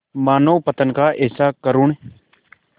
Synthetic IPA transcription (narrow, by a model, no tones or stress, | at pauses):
maːnoːpət̪ənkaːʔeːsaːkəɾuɳ